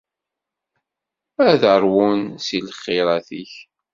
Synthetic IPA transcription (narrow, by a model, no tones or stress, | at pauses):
æðəɾˤwunsilχːɪɾˤæθiç